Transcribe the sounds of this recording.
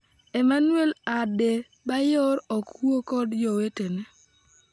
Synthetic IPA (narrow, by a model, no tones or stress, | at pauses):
emanuelade | bajɔɾɔkwokɔdd͡ʒɔwetene